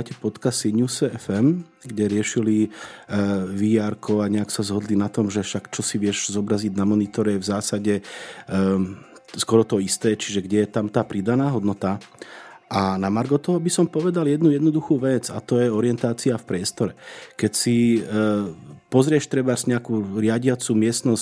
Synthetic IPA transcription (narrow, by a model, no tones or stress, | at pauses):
acɛpɔt̪kasiɲusɛɛfɛm | ɡɟɛɾɪɛʃili | ʋijaɾkɔaɲɛaksazɦɔd̪linat̪ɔmʒɛfʃakt͡ʃɔsiʋɪɛʒzɔbɾaziɟnamɔnit̪ɔɾɛvzaːsaɟɛ | skɔɾɔt̪ɔist̪ɛːt͡ʃiʒɛɡɟɛjɛt̪amt̪aːpɾid̪anaːɦɔd̪nɔt̪a | ʔanamaɾɡɔt̪ɔɦɔbisɔmpɔʋɛd̪aljɛd̪nujɛd̪nɔd̪uxuːʋɛd͡zat̪ɔjɛɔɾɪjɛnt̪aːt͡siafpɾɪɛst̪ɔɾɛkɛcsi | pɔzɾɪɛʃt̪ɾɛbazɲɛakuːɾɪaɟɪat͡sumɪɛst̪nɔs